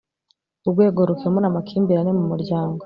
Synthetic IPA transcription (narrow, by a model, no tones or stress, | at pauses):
uɾɡwe̞ːɡo̞ɾukemonamakʰiːmbiɾanemumuɾɟaːŋɡo